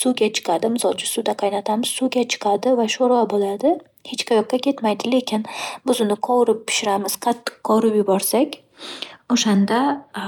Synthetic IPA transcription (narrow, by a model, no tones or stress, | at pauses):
suɡʲat͡ʃʰɨ̥qʰɑd̪ɪmɪzɒt͡ʃʰɪsud̪aqʰɑjnat̪ʰamɪz̥suɡʲat͡ʃʰɨ̥qʰɑd̪ɪvaʃoɾɒbolad̪ɪ | het͡ʃkʰajɒqːakʲe̞t̪majd̪ɪle̞kʲʰɪnbɪzʊnɪqʰɒwɾɪp̚pʰːɪ̥ʃɪɾamɪz̥qʰɑt̪ʰːɨ̥qːɒwɾɪpjʊbɒɾsakʲ | oʃand̪a